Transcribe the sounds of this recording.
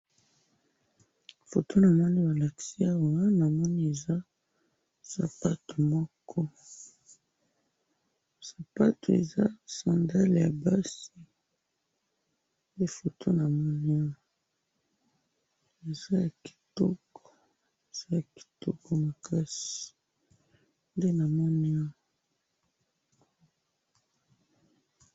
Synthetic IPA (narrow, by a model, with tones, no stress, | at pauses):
fo˨tʰo˦na˨mɔ˦ni˦ba˨la˨ki̥˨si˦a˦wa˦na˨mɔ˦ni˦e˨za˦ | sa̰˨pa˦to˨mɔ˦kʰɔ˦ | sa˨pa˦to˨ḛ˨za˦sã˨nda˦lja˨ba˦si˨ | de˦fo˨tʰo˦na˨mɔ˦ni˦ɔ˦ | e˨za˦ja˨ki̥˨tɔ˦kɔ̥˨ | e˨z̥a˦ja˨ki̥˨tɔ˦kɔ˨ma˨kʰa˦si̥˨ | nde˦na˨mɔ˦ni˦ɔ˦